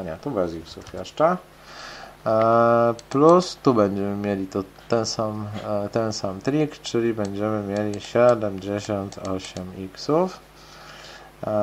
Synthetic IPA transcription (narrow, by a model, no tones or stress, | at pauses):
ɲɛt̪ubɛziksufjɛʂt͡ʂɛ | plust̪ubɛɲd͡ʑɛmɘmʲjɛlʲit̪ɔ | t̪ɛnsamt̪ɛnsamt̪ɾʲikt͡ʂɘlʲibɛɲd͡ʑɛmɘmʲjɛlʲiɕɛd̪ɛmd͡ʑɛɕɔnt̪ɔɕɛmiksuf